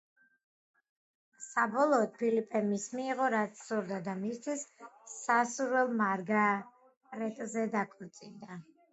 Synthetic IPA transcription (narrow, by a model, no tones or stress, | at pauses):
sabɔlˠɔːt̪̚pʰilipʼɛmismiːʁɔɾat̪sʰsuɾd̪ad̪amist̪ʰisːasuɾwɛlˠmaɾɡa | ɾɛt̪ʼzɛd̪akʰʼɔɾt̪sʼind̪a